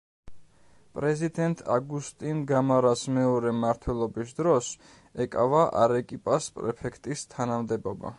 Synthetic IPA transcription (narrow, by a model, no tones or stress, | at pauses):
pʼɾɛzid̪ɛnt̪ʼa̰ɡust̪ʼinɡamaɾasmɛɔɾɛmaɾt̪ʰwɛlˠɔbisd̪ɾɔs | ɛkʼavaʔa̰ɾɛkʼipʼaspʼɾɛpʰɛkʰt̪ʼist̪ʰanamd̪ɛbɔba̰